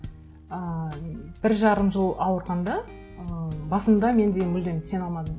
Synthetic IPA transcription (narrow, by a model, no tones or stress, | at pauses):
ə | b̥ɪɾʒɑɾəmʒəlˠɑwəɾʁɑnd̪ɑ | əbɑsənd̪ɑme̞nd̪e̞mʏld̪emɪse̞nɑlˠmɑd̪əm